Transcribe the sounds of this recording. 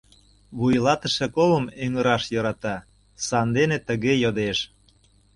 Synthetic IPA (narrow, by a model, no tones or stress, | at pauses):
βujlɑt̪ə̆ʃĕkoβəmøŋəɾɑʃjoɾɑt̪ɑ | sɑnd̪enet̪əɣejod̪eʃ